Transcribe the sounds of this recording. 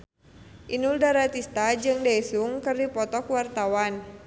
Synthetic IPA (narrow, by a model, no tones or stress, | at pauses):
ʔinuldaɾat̪ist̪ad͡ʒɨŋdajsuŋkɨrdipɔt̪ɔkwart̪awan